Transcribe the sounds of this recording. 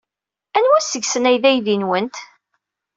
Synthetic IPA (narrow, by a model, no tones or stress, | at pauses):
ænwæsəɡsənæjðæjðinwənt̪